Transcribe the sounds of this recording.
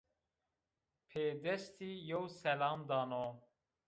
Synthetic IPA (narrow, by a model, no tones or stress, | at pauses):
pʰeːd̪ɛst̪iːjowsɛlɑːmd̪ɑːno